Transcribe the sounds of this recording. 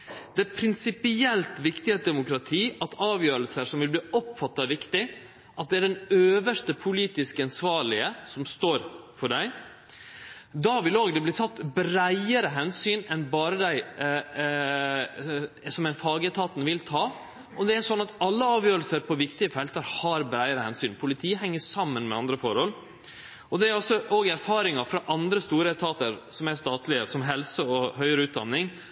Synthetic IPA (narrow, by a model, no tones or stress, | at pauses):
d̪ɛæpʰɾɪnsɪpɪɛlt̪ʋɪkt̪ɪəd̪ɛmʊkɾɑt̪ʰiːɑt̪ʰɑːʋjøːɾəlsəɾʂɔmʋɪlbliːɔpːfɑt̪ːɑɛʋɪkt̪ɪ | ʔɑt̪̚d̪ɛæɖɛnøːʋəʂt̪əpʰʊliːt̪ɪskəɑnsʋɑːɭɪəsɔmst̪oːɾfɔɖæɪ | d̪ɑʋɪloːɡd̪ɛbliːt̪ʰɑt̪ːbɾæɪəɾəɦɛnsyːnɛnbɑːɾəd̪æɪ | sɔmɛnfɑːɡəɛt̪ʰɑːt̪nʋɪlt̪ʰɑː | ʔɔd̪ɛæʂɔnːɑt̪ɑlːəɑːʋjøːɾəlsəɾpʰɔʋɪkt̪ɪəfɛlt̪ɑɾhɑɾbɾæɪəɾəhɛnsyːnpʰʊlɪt̪ʰiːəhɛŋːəsɑmːənmɛ̰ɑnd̪ɾəfɔɾhɔlː | ɔd̪ɛæɾɔsːɔʔoːɡæɾfɑːɾɪŋɑfɾɑʔɑnd̪ɾəst̪uːɾəɛt̪ʰɑːt̪əɾsɔmæst̪ɑːt̪lɪəsɔmɦɛlsəɔhœʏəɾəʉːt̪̚d̪ɑnːɪŋ